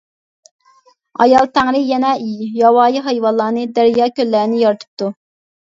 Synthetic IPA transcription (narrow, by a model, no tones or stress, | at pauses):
ɑ̰jɑlˠt̪ʰæŋɾɪjɛnɛijɑwɑːjiɦɑjwɑlˠːɑːnɨd̪æɾjɑːkʲʰølːæɾnɪjɑɾt̪ʰɨ̥p̚t̪u